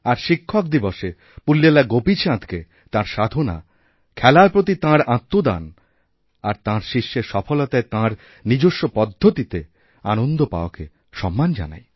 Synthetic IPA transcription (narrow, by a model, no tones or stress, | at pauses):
aɾʃikʰːok̚d̪iboʃe | pulːelaɡopit͡ɕʰãd̪ke | t̪ãɾʃad̪ʱona̰ | kʰɛlaepɾot̪̬it̪ãɾãt̪ːod̪a̰n | aɾt̪ãɾʃiʃːeɾʃɔfolot̪aet̪ãɾ | nid͡ʑoʃːopɔd̪ʱːot̪it̪e | anond̪opa̰oke | ʃɔmːand͡ʑa̰na̰j